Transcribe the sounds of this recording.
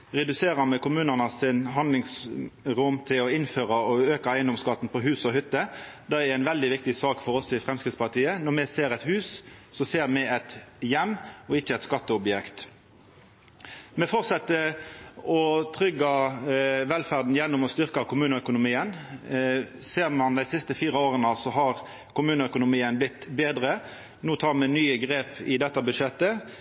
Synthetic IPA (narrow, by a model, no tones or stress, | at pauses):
ʁɛd̪ʉseːɾəmɛkʊmʉːnənəsɪnɦɑnd̪lɪŋsɾʊmt̪ʰɪlɔɪnføːʁɑɔøːkɑæɪənd̪ɔmskɑt̪n̩pɔɦʉːsɔɦʏt̪ːə | d̪ɛɛɾæɪnʋɛld̪ɪʋɪk̚t̪ɪsɑːkfɔɾɔsɪfʁɛmskɪt̪spɑʁt̪ʰiːənɔmɛseːɾɛt̪hʉːssɔseːɾmɛɛt̪jɛmːɔɪçːəɛt̪skɑt̪ːəɔbjɛkt̪ | mɛfɔʁt̪sɛt̪ːə | ɔt̪ʰʁʏɡːɑ | ʋɛlfæʁd̪n̩jɛnːʊmɔst̪ʏʁkɑkʰʊmʉːnəœkʊnʊmiːən | seːʁmɑnd̪æɪsɪst̪əfiːɾəoːʁənɑsɔɦɑʁ | kʊmʉːnəœkʊnʊmiːənblɪt̪ːbeːd̪ʁə | nuːt̪ʰɑːʁmɛnyːəɡʁeːpɪd̪ɛt̪ːɑbʉdʂɛt̪ːə